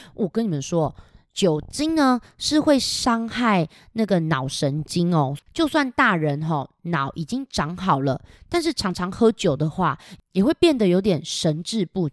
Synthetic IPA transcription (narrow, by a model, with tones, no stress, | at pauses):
wʔɔ˨˩kə˦ni˨˩mə˨˦nʂwɔ˦˥t͡ɕjo˨˩ʊt͡ɕi˦ŋnə˧ʂɻ̩˥˧xwe˥˩ɪʂɑ˥ŋxa˥˩ɪ | na˥˩ɡə˩nɑ˨˩ʊʂə˧˦nt͡ɕi˦ŋɔ˨t͡ɕjo˥˧ʊswa˥˧nt̪a˥˩ɻə˧˦nɦɔ˥˧nɑ˨˦ʊʔi˨˩t͡ɕi˦ŋʈ͡ʂɑ˨˧˥ŋxɑ˨˩ʊlə˦t̪a˥˧nʂɻ̩˥˩ʈ͡ʂʰɑ˧˥ŋʈ͡ʂʰɑ˧˥ŋxɤ˥t͡ɕjo˨˩ʊd̪ə˦xwa˥˩jɛ˨˩xwe˥˧ɪpjɛ˥˩nd̪ə˨jo˧ʊt̪jɛ˨˩nʂə˧˦nʈ͡ʂɻ̩˥˧pu˥˩